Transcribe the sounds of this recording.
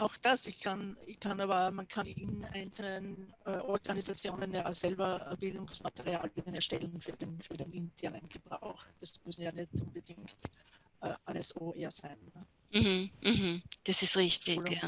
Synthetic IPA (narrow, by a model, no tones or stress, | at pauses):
ʔaʊxd̥asɪçkʰanɪçkʰanaːbɐmankʰanɪna̰ɪnt͡sl̩nənɛːʔɔɐɡanizat͡sjoːnənjaːsɛlbɐb̥ɪldʊŋsmatəʁia̰ːliɐdənɛɐʃtɛlən̩fyːɐdenfyːɐdenɪntʰɛɐnənɡ̥əb̥ʁa̰ʊxd̥asmʏsn̩jaːnɛtʔʊnbəd̥ɪŋkt | ʔɛːʔaləsoːeːɐsaɪnːə | m̩h̩hm̩d̥asɪstʁɪçtɪla